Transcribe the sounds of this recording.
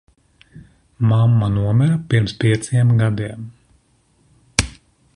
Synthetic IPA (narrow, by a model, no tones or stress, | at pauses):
mamːanuɔmɛɾapiɾmspʲiɛt̪siɛmɡad̪iɛm